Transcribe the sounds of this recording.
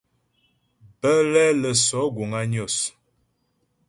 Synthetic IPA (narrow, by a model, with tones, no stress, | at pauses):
bə˦lɛ˦lə˨sɔ˨˦ɡo˨ŋa˦ɲ˦o˦˨s